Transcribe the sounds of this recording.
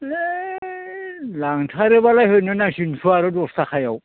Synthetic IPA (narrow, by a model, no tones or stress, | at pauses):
laŋtʰaɾebalaɦenenaʃinsʰuaɾodost̪ʰakʰajaw